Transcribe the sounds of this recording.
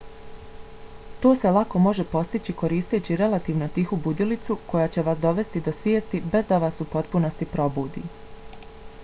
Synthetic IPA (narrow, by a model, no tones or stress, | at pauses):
t̪o̞ːse̞lˠako̞mo̞ʒe̞po̞st̪it͡ɕiko̞ɾiːst̪et͡ɕiɾe̞lat̪iːʋno̞t̪ixubud̪ilit̪suko̞jaːt͡ɕe̞ʋaːsd̪o̞ʋe̞st̪id̪o̞sʋjeːst̪ibe̞zd̪aʋaːsupo̞t̪puno̞st̪ipɾo̞buːd̪ḭː